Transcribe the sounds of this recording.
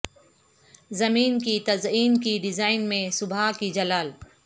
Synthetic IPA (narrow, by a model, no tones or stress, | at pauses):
zɐmiːnkit̪ɐziːnkiɖɪzaːɪnmẽsʊbʱakid͡ʒɐlaːl